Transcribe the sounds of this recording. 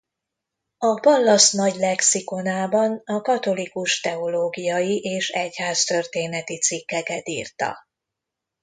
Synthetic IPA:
ɒpɒlːɒsnɒɟlɛksiko̞naːbɒnɒkɒt̪o̞likuʃt̪ɛo̞loːɡijɒjiʔeːʃɛchaːst̪ø̞rt̪eːnɛt̪it̪sikːɛkɛt̪ḭːrt̪ɒ̰

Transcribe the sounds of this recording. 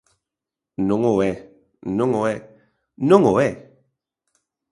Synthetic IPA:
noŋowɛ | noŋowɛ | noŋowɛ

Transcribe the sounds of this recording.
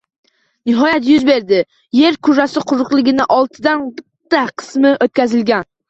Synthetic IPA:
nɪɦɒjat̪jyzbeɾd̪ɪ | jeɾkʲʰʊʒasɪqʰʊɾʊqlˠɪɡʲɪnɪʔɒlˠt̪ʰɨd̪anbɪt̪ːaqʰɨ̥smɪʔot̪̚kʲæzɪlɡʲæn

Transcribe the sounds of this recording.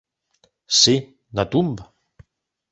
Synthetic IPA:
se | nat̪umbə

